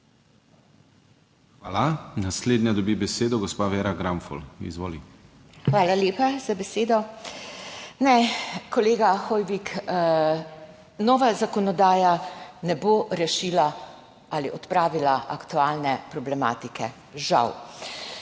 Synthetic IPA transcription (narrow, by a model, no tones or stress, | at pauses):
xʋaːlanasleːd̪nad̪ɔbibɛseːd̪ɔɡɔspaʋeːɾaɡɾamfɔ̰lḭzʋoːli | xʋaːlaljeːpaz̥abɛseːd̪ɔ | nɛkɔleːɡaxɔjʋik | nɔːʋazakɔnɔd̪aːjanɛboɾɛʃiːla | aliʔɔt̪pɾaːʋilaʔakt̪uaːlnɛpɾɔblɛma̰ːt̪ikʰɛ | ʒa̰w